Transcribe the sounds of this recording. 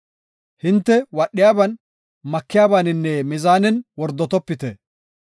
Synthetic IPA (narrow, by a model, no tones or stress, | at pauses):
hɪnt̪ːɛwɐɗːɪjaːbɐn | mɐkːɪjaːbanɪnːɛmɪzaːnɛnwɔɾd̪ːɔt̪ɔpːɪt̪ɛ